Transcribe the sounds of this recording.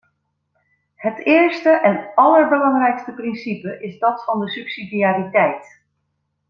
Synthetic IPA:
hətɪːɹstəʔɛnɑləɹbəlɑŋrɛjkstəprɪnsipəʔɪzdɑtfɑndəsypsidiaːritɛjt

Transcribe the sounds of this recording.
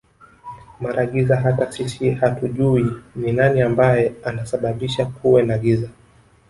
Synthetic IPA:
maɾaɠizaɦatasisihatuʄuininaniambajɛanasaɓaɓiʃakuwɛnaɠiza

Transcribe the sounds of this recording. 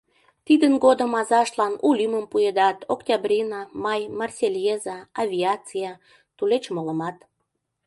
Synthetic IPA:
t̪id̪ənɡod̪əmɑzɑʃt̪lɑnulʲyməmpued̪ɑt̪oktʲabrʲinɑmɑjmɑrsʲelʲjezɑːvʲiɑt͡sijɑ | t̪ulet͡ɕmolə̆mɑt̪

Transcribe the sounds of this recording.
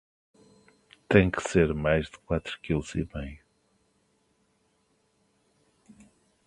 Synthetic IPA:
t̪ɐ̃j̃kɨ̥seɾmajʒðɨkwat̪ɾukilˠzḭmɐ̃j̃

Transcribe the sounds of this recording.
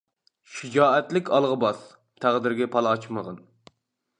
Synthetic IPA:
ʃid͡ʒɑːɛt̪lɪkʲɑlˠʁəbɑs | t̪ʰæʁd̪ɪɾɡʲɛpʰɑlˠɑt͡ʃməʁɑn

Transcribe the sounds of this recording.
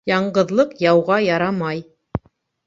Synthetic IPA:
jɑɴɢɤ̆ðlˠɤqjɑwʁɑjɑɾɑmɑj

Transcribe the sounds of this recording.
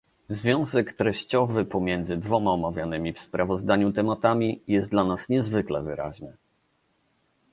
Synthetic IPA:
zvʲjɔ̃w̃zɛkt̪ɾɛɕt͡ɕɔvɘpɔmʲjɛnd̪zɘd̪vɔmaɔmavʲjanɘmʲifspɾʔavɔzd̪aɲut̪ɛmat̪amʲijɛst̪d̪lanasɲɛzvɘklɛ̰vɘ̰ɾa̰ʑnɘ

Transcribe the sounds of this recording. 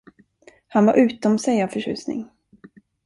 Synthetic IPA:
hanvaɾʔʉ̟ːt̪ɔmsɛjavfœʂʉ̟̰ːsnɪ̰ŋ

